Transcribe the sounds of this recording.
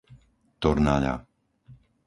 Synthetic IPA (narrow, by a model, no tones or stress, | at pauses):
t̪ɔɾnaʎa̰